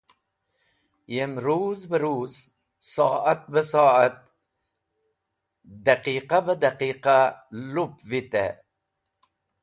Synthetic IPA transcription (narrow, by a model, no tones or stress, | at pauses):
jemɾuːzbəɾuːz | soːʔat̪̚bəsɑːat̪̚ | d̪aqiːqabəd̪aqiːqalupvit̪ḛ